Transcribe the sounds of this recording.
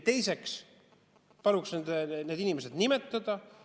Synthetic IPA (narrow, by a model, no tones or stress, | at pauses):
t̪e̞jse̞ks | pɑluksned̪ne̞ːd̪inimese̞d̪nimet̪ːˑɑd̪̥ɑ